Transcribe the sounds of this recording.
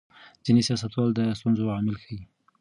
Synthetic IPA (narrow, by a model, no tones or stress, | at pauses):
zinesjɑsat̪wɑld̪əst̪unzoʕɑmɪlkʰawi